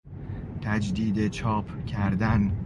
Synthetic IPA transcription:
t̪ʰæd͡ʒd̪iːd̪et͡ʃʰɒːpʰkcʰæɾd̪æn

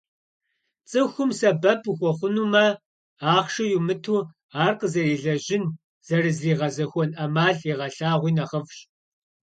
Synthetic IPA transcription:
t͡sʼɨxʷʊmsɐbɐpʰuxʷɔχʷʊnuːmɐ | aːχʃɨjumɨtʰuː | aːrqəzɐriːɮɐʑɪn | z̥ɐrɨzriːʁɐzɐxʷɔnʔɐmaːɮiʁɐɬaːʁʷiːnɐʁɐvɕ

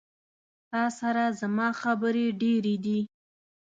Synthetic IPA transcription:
t̪ɑsaɾazamɑxabəɾeɖeɾed̪i

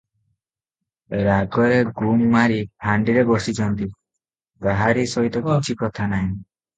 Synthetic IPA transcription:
ɾaɡɔɾeɡumːaɾipʰaɳɖiɾebɔsit͡ʃʰɔnt̪i | ɡaɦaɾisɔɦit̪ɔkɔt͡ʃʰikɔt̪ʰanaɦĩ

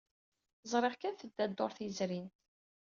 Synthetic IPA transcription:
zˤɾˤeʁkænθəd̪ːæd̪ːoɾˤθizɾint̪

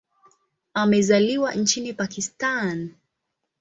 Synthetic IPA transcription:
amɛzaliwan̩t͡ʃinipakistan

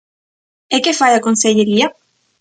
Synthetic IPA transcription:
ekefajakonseʎeɾia

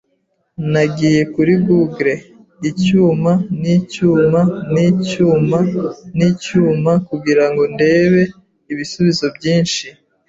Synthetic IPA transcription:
naɡiːje̞kuɾiɡuɡɾe̞ | icuːmanicuːmaniːcuːmaniːcuːmakuɡiɾaŋɡo̞nde̞ːβe̞ | iβisuβizo̞bɟiːnʃi

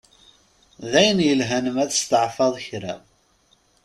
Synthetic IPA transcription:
ðæjənjəlɦænəmæθə̥st̪ʕfɑðˤçɾæ

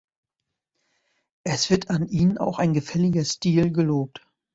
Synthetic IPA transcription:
ʔɛsv̥ɪɐtʰanʔiːnəna̰ʊxaɪnɡəfɛlɪɡɐstiːlɡəloːp̚t

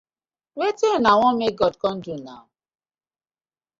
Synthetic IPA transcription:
wetinawɔ̃mek̚ɡɔdkɔ̃n̩duna̰ʊ

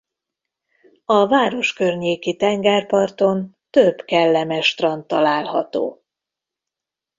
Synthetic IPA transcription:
ɒvaːɾo̞ʃkørɲeːkit̪ɛŋɡɛrpɒrt̪o̞nt̪øbkɛlːɛmɛʃt̪rɒnt̪ɒlaːlhɒt̪o̰ː

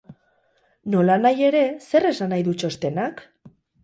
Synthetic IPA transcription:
no̞lanaje̞ɾe̞se̞re̞sanajðut͡ʃo̞st̪e̞nak

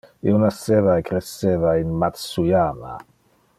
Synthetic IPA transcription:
ḭonasevaekɾesːeːvainmat̪sujaːma̰

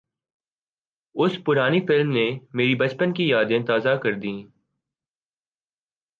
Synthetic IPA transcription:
ʊspʊɾaːnifɪlmnemeːɾibɐt͡ʃpənkijaːd̪ẽt̪aːzakɐɾd̪ĩː

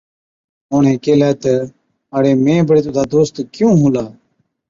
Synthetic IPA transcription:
õːɳẽːkeːlaːt̪ə | aɽeːmẽːbəɽeːt̪ʊd̪aːd̪oːst̪kjõːɦũːlaː

